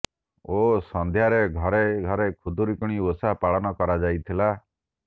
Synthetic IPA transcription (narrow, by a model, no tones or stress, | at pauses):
osɔnd̪ʱjaɾeɡʱɔɾeɡʱɔɾekʰud̪uɾikuɽ̃iosapaɭɔnɔkɔɾad͡ʒajt̪ʰila